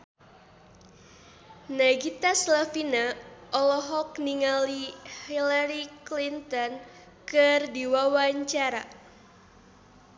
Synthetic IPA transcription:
naɡit̪aslafinaʔɔlɔɦɔk̚niŋalihilaɾiklint̪ɔn | kɨrdiwawaɲt͡ʃaɾa

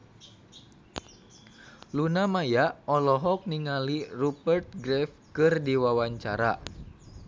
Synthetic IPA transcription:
lunamajaʔɔlɔɦɔk̚niŋalirupərt̪̚ɡɾɛf | kɨrdiwawaɲt͡ʃaɾa̰

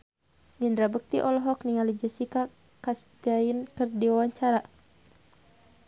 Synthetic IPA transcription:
ɲəndɾabək̚t̪iʔɔlɔɦɔkniŋalid͡ʒəsika | kast̪iainkɨrdiwawaɲt͡ʃaɾa

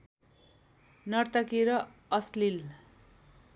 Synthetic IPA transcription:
nʌrt̪ʌkiɾʌʌslil

